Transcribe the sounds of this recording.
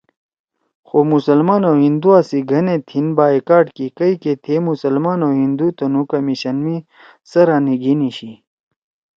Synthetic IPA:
xoːmusɐlmaːnoɦind̪uaːsiɡʱɐnet̪ʰinbaːikaːɖkikɐiket̪ʰemusɐlmaːnoɦind̪ut̪ɐnukɐmiɕɐnmi | sɐɾaːniɡiniɕi

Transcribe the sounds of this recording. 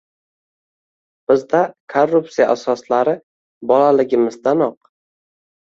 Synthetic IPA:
b̥ɪzd̪akʰorːupsijaʔasɒslaɾɪ | bɒlalɪɡʲɪmɪzd̪anɒq

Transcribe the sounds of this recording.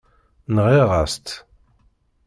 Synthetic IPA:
nʁiʁa̰st̪

